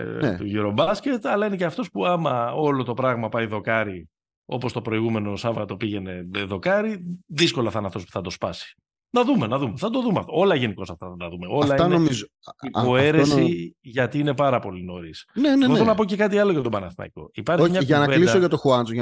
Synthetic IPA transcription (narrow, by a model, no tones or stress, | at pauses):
t̪uʝiɾo̞bɐsce̞t̪ɐlɐine̞ceɐft̪o̞spuɐmɐo̞lo̞t̪o̞pɾɐɣmɐpɐiðo̞kɐɾi | o̞̰po̞st̪o̞pɾo̞iɣume̞no̞sɐvɐt̪o̞piʝe̞ne̞ðo̞kɐɾiðisko̞lɐfθɐnɐft̪o̞spu̥θɐd̪o̞spɐsi̥ | nɐðumenɐðumeθɐd̪o̞ðumeɐft̪oo̞lɐʝe̞niko̞sɐft̪ɐðnɐðume̞o̞lɐiɐnomizoio̞e̞ɾesiʝɐt̪iine̞pɐɾɐpo̞lino̞ɾisneneθonɐp̬o̞ce̞kɐt̪̬iɐlo̞ʝɐt̪o̞bɐnɐθnɐ̰iko̞̰ipɐɾçimɲɐʝɐnɐvelid̪soʝɐt̪oxuɐnt͡so